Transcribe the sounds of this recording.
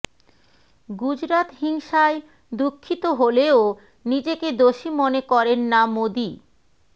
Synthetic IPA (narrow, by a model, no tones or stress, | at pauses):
ɡud͡ʑɾat̪ɦiŋʃae | d̪ukʰːit̪oɦoleo | nid͡ʑeked̪oʃimonekɔɾenːamod̪i